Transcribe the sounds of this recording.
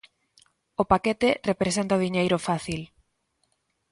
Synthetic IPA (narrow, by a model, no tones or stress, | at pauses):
opaket̪ɪrepɾesent̪aðiɲejɾʊfaθil